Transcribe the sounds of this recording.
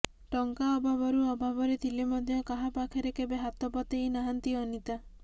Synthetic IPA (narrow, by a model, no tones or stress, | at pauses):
ʈɔŋkaɔbʱabɔɾuɔbʱabɔɾet̪ʰilemɔd̪ʱjɔkaɦapakʰeɾekebeɦat̪ɔpɔt̪einaɦant̪iɔnit̪a